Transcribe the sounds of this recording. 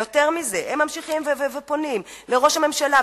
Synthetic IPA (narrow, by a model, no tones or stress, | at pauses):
ote̞ʁmizehemːamʃiχimvevevepo̞nimleʁo̞ʃame̞mʃala